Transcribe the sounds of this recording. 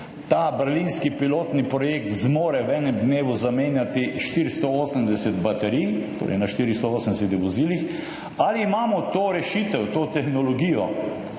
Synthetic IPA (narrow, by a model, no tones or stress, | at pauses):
t̪aːbɛɾlinskipiloːt̪nipɾɔjeːk̚t̪zmoːɾɛwɛːnɛmd̪neːʋuzameːnjat̪iʃt̪iɾst̪ɔoːsəmd̪ɛsɛt̪bat̪ɛɾijt̪o̰ːɾɛ̰ɪnaʃt̪iɾist̪ɔoːsənd̪ɛsɛt̪ɛʋoziːlix | aliːmaːmɔt̪oːɾɛʃit̪ɛwt̪oːt̪ɛxnɔlɔɡiːjɔ